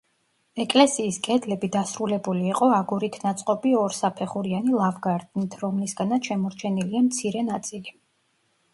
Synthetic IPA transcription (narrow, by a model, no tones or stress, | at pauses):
ɛkʼlɛsiːskʼɛd̪lɛbid̪asɾulɛbuliːqʼɔaɡuɾit̪ʰnat̪sʼqʼɔpʼiɔɾsapʰɛχuɾianilˠavɡaɾd̪nit̪ʰɾɔmlisɡanat̪ʃɛmɔɾt͡ʃʰɛniliamt̪sʰiɾɛnat̪sʼili